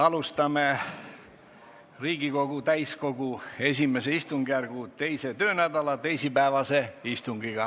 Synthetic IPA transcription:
ɑlust̪ɑme | riːɡ̥iko̞ɡ̥ut̪æjsko̞ɡ̥ue̞s̬ʲime̞se̞ist̪uŋɡ̥ærɡ̥ut̪e̞jse̞t̪ø̞ːnæd̪ɑlɑt̪e̞jsipæevɑse̞ist̪uŋɡ̥iɡ̥ɑ

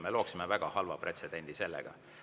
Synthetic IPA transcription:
melo̞ːksimevæɡ̥ɑhɑlvɑ̰pre̞t̪se̞d̪̥e̞nʲd̪̥ise̞lːɛ̰ɡ̥ɑ̰

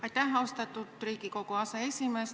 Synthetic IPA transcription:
ɑit̪æɦæost̪ɑt̪ːut̪riːkikokoɑseesimes

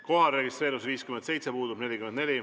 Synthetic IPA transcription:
ko̞ɦɑreɡist̪ɾe̞ːɾus̬viːskymense̞jt̪sepuːd̪ubne̞lʲikymend̪ne̞lʲi

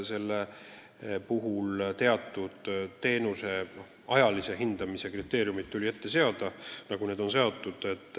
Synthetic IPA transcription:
se̞lːe | puɦult̪e̞ɑt̪ˑːud̪̥ːe̞ːnuse̞ | ɑjɑlise̞ɦind̪ɑmise̞krit̪ːˑe̞ːɾjumit̪t̪ːulʲie̞t̪ːe̞se̞ɑd̪̥ɑnɑɡune̞ːd̪o̞nse̞o̞t̪ːˑud̪̥e̞t̪ːˑ

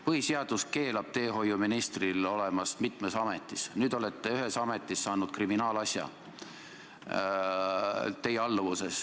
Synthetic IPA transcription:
pɤhiseɑd̪̥uske̞ːlɑb̥̚t̪e̞ːɦo̞jːuminist̪rilo̞le̞mɑsmit̪ˑmesɑme̞t̪ːˑisnyːd̪̥o̞let̪ˑːeyɦe̞sɑme̞t̪ːˑisːɑːnud̪̥kriminɑːlɑsʲjɑ̰ | t̪e̞jːeɑlːvuse̞s

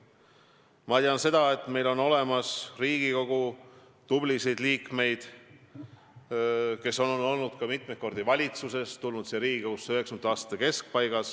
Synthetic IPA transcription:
mɑt̪iɑnse̞d̪̥ɑe̞t̪ːˑme̞jlo̞no̞le̞mɑsriːɡ̥iko̞ɡ̥u | t̪ub̥lisejd̪̥liːkme̞jd̪̥ | ke̞so̞nno̞lnud̪̥kɑmit̪mek̚o̞rd̪ivɑlʲit̪suse̞st̪ulnud̪seɾiːɡikouseøɦe̞ksɑmɑːst̪ɑ̥t̪ːeke̞sk̚pɑjɡɑs

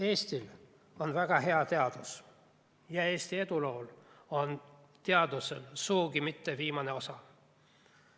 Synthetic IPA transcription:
e̞ːst̪il | o̞nvæɡ̥ɑɦe̞ɑt̪e̞ɑd̪̥us | jɑe̞ːst̪ie̞d̪̥ulo̞ːl | o̞n | t̪e̞ɑd̪uselsuːɡimit̪ːeviːmɑne̞o̞sɑ

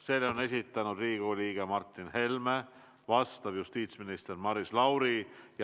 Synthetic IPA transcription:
se̞ːlːeone̞s̬ʲit̪ːˑɑnud̪riːɡ̥ulʲiːɡemɑrt̪ˑːinhe̞lme | vɑst̪ɑb̥just̪iːt̪sminist̪e̞rmɑɾislɑwɾij

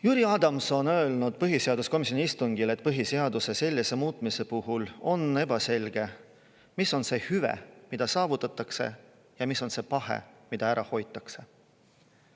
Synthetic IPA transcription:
juːɾiɑːd̪̥ɑmso̞nø̞elnud̪̥̚pɤɦise̞ɑd̪usko̞mis̬ʲjo̞niist̪uŋɡ̥ile̞t̪̚ːˑpɤɦise̞ɑd̪use̞se̞lʲːise̞muːt̪ˑmise̞puɦulo̞ne̞b̥ɑse̞lʲɡ̥e̞ | misːo̞nse̞hyvḛmid̪̥ɑsɑːvut̪ːˑɑt̪ːˑɑkse̞̰ | jɑmiso̞nse̞pɑɦḛmid̪ɑæɾʔɑho̞jt̪ːˑɑkse̞

